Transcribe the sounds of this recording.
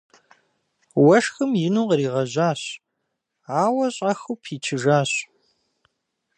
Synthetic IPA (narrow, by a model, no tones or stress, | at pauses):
wɐʂxɨmjɪnuːqɾiːʁɐʑʷaːɕ | aːwɐɕʼɐxupʰiːt͡ʃʰɨʒaːɕ